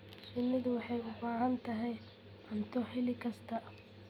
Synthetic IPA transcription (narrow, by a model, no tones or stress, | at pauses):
t͡ʃɪnːɐðʊwɑħɑjʊbaːʕɐnt̪ʰɐɦɛj | ʔɐnt̪ʰɔħɪlɪkʰɐst̪ʰɐ